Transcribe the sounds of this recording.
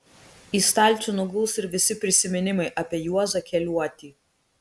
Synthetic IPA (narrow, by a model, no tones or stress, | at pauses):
iːst̪ɑˑlʲˑt̪t͡ʃ̪ʲunʊɡʊːsɪɾʋʲɪsʲɪpʲɾʲɪsʲɪmʲɪnʲɪmɐɪʔɐpʲiɛjuɔzɐkʲɛlʲuɔt̪ʲiː